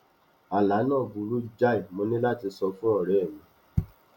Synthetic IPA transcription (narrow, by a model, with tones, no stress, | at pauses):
a˨la˨˦nãː˦˨bu˨˧ɾu˦d͡ʒa˦i˨mõ˧nĩ˦la˦ti˧sɔ˧fũ˦ɔ˦˨ɾɛ˨mĩ˧˨